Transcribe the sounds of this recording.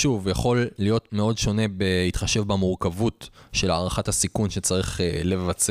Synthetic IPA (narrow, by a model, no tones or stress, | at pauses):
ʃuvjaχo̞lːijo̞tmeo̞dʃo̞ne̞behitχaʃe̞vbamuʁkavutʃe̞la̰ːʁaχathasikunʃet͡saʁiχele̞vat͡s